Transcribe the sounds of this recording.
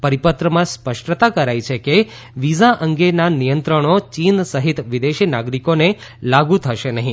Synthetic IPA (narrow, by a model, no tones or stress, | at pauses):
pəɾipət̪ɾəmãspəʃʈt̪akəɾajt͡ʃʰeke | ʋizaʔəŋɡenanijənt̪ɾəɳ̃ot͡ʃinsəɦit̪ʋid̪eʃinaɡɾikone | laɡũt̪ʰəʃenəɦĩ